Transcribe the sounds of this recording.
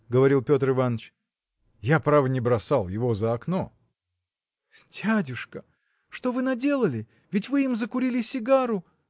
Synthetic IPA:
ɡəvɐɾʲilˠpʲo̞t̪rɨvanːət͡ɕ | japɾavənʲɪbɾɐsalˠjɪvo̞zəɐkno | dʲædʲʊʂkə | ʂt̪o̞vɨnɐdʲe̞lˠəlʲɪ | vʲɪtʲvɨimzəkʊɾʲilʲɪsʲɪɡaɾʊ

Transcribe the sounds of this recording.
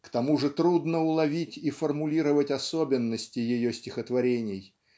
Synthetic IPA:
kt̪ɐmuʐɨt̪ɾud̪nəʊlˠɐvʲitʲifərmʊlʲiɾəvətʲɐsobʲɪnːəsʲtʲɪjɪjosʲtʲɪxət̪vɐɾʲenʲɪj

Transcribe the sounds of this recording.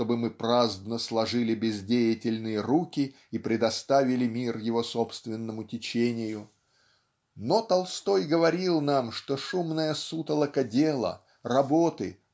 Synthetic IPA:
o̞bɨmɨpɾazd̪nəslˠɐʐɨlʲɪbʲɪzdʲejɪtʲɪlʲnɨjəɾukʲɪ | ipɾʲɪd̪ɐst̪avʲɪlʲɪmʲirjɪvo̞sopst̪vʲɪnːəmʊtʲɪt͡ɕenʲɪjʊ | no̞t̪ɐlˠst̪o̞jɡəvɐɾʲilˠnamʂt̪o̞ʂumnəjəsut̪əlˠəkədʲelˠə̰ | rɐbot̪ɨ̰

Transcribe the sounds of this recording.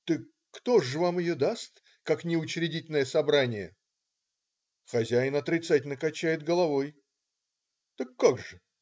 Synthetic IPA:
t̪ɨkːt̪o̞ʐɨvamɪjod̪ast̪ | kaknʲɪʊt͡ɕɾʲɪdʲitʲɪlʲnəjəsɐbɾanʲɪjə̰ | xɐzʲæjɪnɐt̪ɾʲɪt̪satʲɪlʲnəkɐt͡ɕːæjɪd̪̚ɡəlˠɐvo̞j | t̪əkːaɡʐɨ

